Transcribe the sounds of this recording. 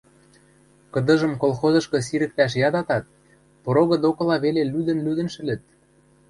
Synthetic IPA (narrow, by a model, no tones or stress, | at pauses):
kɤ̆d̪ɤ̆ʒɤ̆mkolˠxozɤ̆ʃkɤ̆s̬iɾɘ̆k̚t̪æʃ̬jɑd̪ɑt̪ɑt̪̚ | pɤ̆ɾoɣɤ̆d̪okɤ̆lɑβelelyd̪ə̆nlyd̪ə̆nʃɘ̆lɘ̆t̪̚